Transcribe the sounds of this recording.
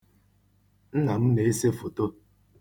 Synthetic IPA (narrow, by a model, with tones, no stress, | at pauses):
n̩˦na˨m̩˦ne˨e˦se˦fo˨to˦